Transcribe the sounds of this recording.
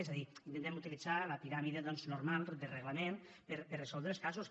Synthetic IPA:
ezaðiint̪enɛmut̪ilid͡zaləpiɾamiðeðɔnznuɾmalˠd̪ereɣlamen | peɾpeɾresɔlˠd̪ɾelˠskasus

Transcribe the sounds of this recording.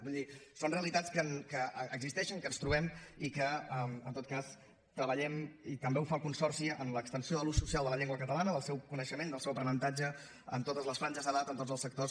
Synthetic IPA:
buðisonreəlit̪at͡sskənkəəɡzist̪ɛʃəŋkənst̪ɾuβɛmikəəmənt̪ot̪̚kas | t̪ɾəβəʎɛmit̪əmbeufalˠkunsɔrsiənləkst̪ənsioðəlususialˠd̪ələʎeŋɡwəkət̪əlanəðəlˠsɛwkunəʃəmẽnd̪əlˠsɛwpɾənənt̪ad͡ʒə | ə̰nt̪ot̪əzləsfɾaɲd͡ʒəzəðat̪ənt̪od͡zzəlˠsək̚t̪os

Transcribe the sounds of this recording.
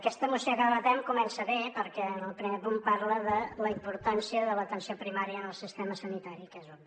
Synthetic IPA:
əkɛst̪əmusjokaβət̪ɛmkumɛnsəβepəɾkɛənəlˠpɾimeɾpumpaɾləðələimpuɾt̪ansiəðələt̪ənsiopɾimaɾjəːnəlˠsist̪ɛməsənit̪aɾikɛzu

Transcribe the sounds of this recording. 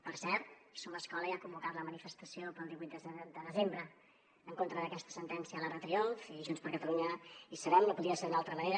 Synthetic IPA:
pəɾsɛɾt̪̚soməskɔləiakumbukat̪ləmənifəst̪əsijopəlˠd̪iβuit̪d̪əd̪əðəzembɾə | əːŋkont̪ɾəðəkɛst̪ə̥sənt̪ɛnsiələrət̪ɾiolˠfiʒunspəɾkət̪əluɲəisəβɛmkəpuðiəseɾðunalˠt̪ɾəməneɾə

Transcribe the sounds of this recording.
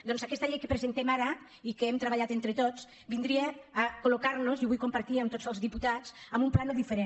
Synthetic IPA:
d̪ɔnzakɛst̪əʎejkəpɾəzent̪ɛmaɾɐ | ikəemt̪ɾəβaʎat̪ent̪ɾət̪ot͡s | bind̪ɾieːkolukaɾnuzjoβujkumpəɾt̪iəmt̪ot͡səlˠzðiput̪at͡səmbumplanoðifəɾen

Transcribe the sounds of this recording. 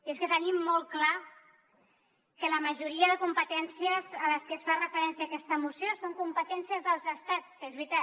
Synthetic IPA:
eskət̪ənimːɔl̚ˠkla | kələməʒuɾiəðəkumpət̪ɛnsijəzələskəsfarəfəɾɛnsiakɛst̪əmusjosoŋkumpət̪ɛnsiəzðəlˠzəst̪at͡sezβɾit̪a

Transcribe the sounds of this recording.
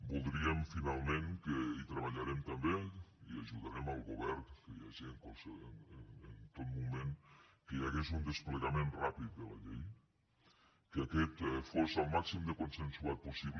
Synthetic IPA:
bulˠd̪ɾiemfinalˠmẽŋkəit̪ɾəβaʎaɾemt̪ambeiaʒuðaɾɛmalˠɣuβɛɾkəjaʒieŋkosnnent̪ot̪mumẽnkəjaɣezund̪əspleɣamẽnrapit̪̚d̪əla̰ʎej | kəakɛt̪fozalˠmaksimd̪əkonsensuat̪̚pusiβ

